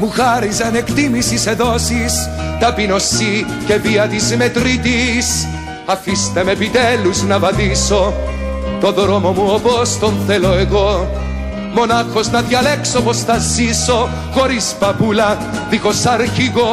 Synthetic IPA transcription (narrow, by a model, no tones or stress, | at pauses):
muxɐɾizɐnekt̪imisiseðosist̪ɐpino̞si | ce̞viɐt̪izmet̪ɾit̪is | ɐfist̪emepit̪eluznɐvɐðiso̞ | t̪o̞ðɾomomuopost̪onθeloeɣo̞ | mo̞nɐxo̞znɐðjɐlekso̞posθɐzːiso̞ | xo̞ɾispɐpulɐ | ðikosɐɾçiɣo